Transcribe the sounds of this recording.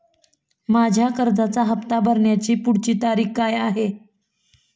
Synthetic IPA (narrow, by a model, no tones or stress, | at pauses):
mad͡ʑʱjakəɾd͡zat͡saɦəpt̪abʱəɾɳjat͡ɕiːpuɽt͡ɕiːt̪aɾiːkkːajaɦe